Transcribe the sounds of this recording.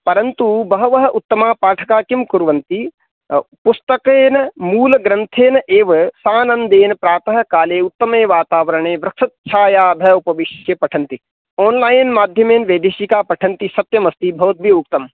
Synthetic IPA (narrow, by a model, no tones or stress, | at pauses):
pɐɾɐnt̪ubɐɦɐʋɐɦɐ̆ʔut̪ːɐmaːpaːʈʰɐkaːkimkuɾʋɐnt̪i | pʊst̪ɐkeːnɐmuːlɐɡɾɐnt̪ʰeːnɐʔeːʋɐsaːnɐnd̪eːnɐpɾaːt̪ɐɦɐ̆kaːleːut̪ːɐmeːʋaːt̪aːʋɐɾɐɳ̃eːʋɾɐksɐt̪̚t͡ʃʰaːjaːd̪ʱɐupɐʋɪʃjɐpɐʈʰɐnt̪i | oːnlaːjnmaːd̪ʱjɐmeːnʋeːd̪ʱiʃikaːpɐʈʰɐnt̪isɐt̪jɐmɐst̪ibʱɐːt̪̚bʱiʊk̚t̪ɐm